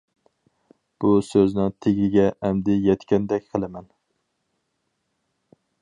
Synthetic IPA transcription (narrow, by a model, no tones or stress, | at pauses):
b̥usøznɪŋt̪ʰeɡʲɪɡʲɛʔæmd̪ɪjɛt̪kʲɛnd̪ɛkʲqʰəlˠɪmɛn